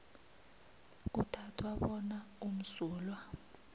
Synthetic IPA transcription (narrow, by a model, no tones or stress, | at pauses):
k̬utʰatʰwaɓɔnaum̩suːlwa